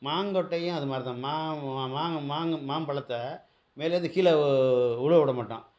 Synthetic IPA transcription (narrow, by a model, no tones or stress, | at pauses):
maːŋɡɔʈːɐjʊ̃ɐðɯmaːɾt̪ãːmaːmaːŋmaːŋmaːmpɐɭɐt̪ːɐ | meːleːðɯkiːlɐʊɻɐɔɽɐmaːʈːã̰ː